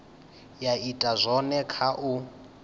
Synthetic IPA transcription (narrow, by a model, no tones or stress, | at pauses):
jaitʼazʷɔnɛkʰaʔu